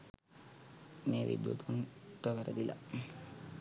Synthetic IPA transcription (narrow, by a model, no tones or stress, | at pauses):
meːʋḭd̪ṵt̪unʈəʋəɾəd̪ila̰